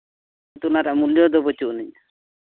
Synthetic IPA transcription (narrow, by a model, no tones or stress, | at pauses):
t̪unaɾamuljɔd̪ɔbɔt͡ʃuni